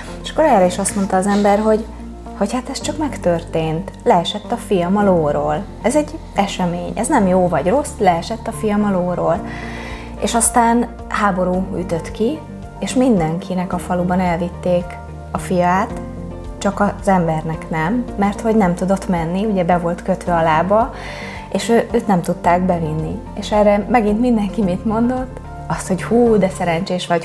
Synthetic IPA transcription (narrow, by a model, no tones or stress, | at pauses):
eʃɒ̥kːo̞ɾɛːɾɛiʃɒst̪mo̞nt̪ɒːzɛmbɛrɦo̞ɟ | ho̞chat̪ɛst͡ʃɒkmɛkt̪ørt̪eːnt̪lɛɛʃɛt̪ːɒfijɒmɒloːɾoːl | ɛzɛɟː | ɛʃɛmeːɲɛ̰znɛmjoːvɒɟro̞slɛɛʃɛt̪ːɒfijɒmɒloːɾoːl | ḛːʃɒst̪aːn | haːbo̞ɾuːy̰t̪øt̪ki | eːʃmind̪ɛŋkʰinɛkɒfɒlubɒnɛlvit̪ːeːk | ɒfijaːt̪ | t͡ʃɒkɒzɛmbɛrnɛknɛmːɛrt̪ho̞ɟnɛmt̪ud̪o̞t̪mɛnːiuɟɛbɛvo̞lt̪kø̞t̪ʋɛɒlaːbɒ | eːʃøːøːt̪nɛmt̪ut̪ːaːɡbɛvinːi | eːʃɛrɛmɛɡint̪mind̪ɛŋkimit̪mo̞nd̪o̞t̪ː | ɒst̪ho̞ɟhuːd̪ɛsɛɾɛɲt͡ʃeːʃʋɒɟ